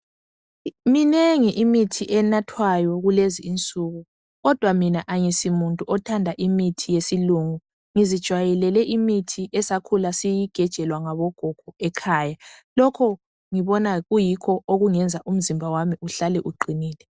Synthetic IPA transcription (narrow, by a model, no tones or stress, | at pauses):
minɛŋiʔimitʰiʔɛnatʰwajɔɣuleziːnt͡sʼuɣu | ɣɔd̥ʱwaminaʔaŋisimuntʼuʔɔtʰandʱaʔimitʰijesiluŋu | ŋizid̥ʒ̥ʱwajɛlɛlɛʔimitʰiʔɛsakʰulasijiɡ̥ʱɛd̥ʒ̥ʱɛlwaŋaβɔɡ̥ʱɔɡ̥ʱɔɛkʰaːjalɔkʰɔ | ŋiβɔnaɣujikʰɔʔoɣuŋɛnd͡zʱaʔum̩zimbʱawamiuɬalɛʔuǃʱiniːlɛ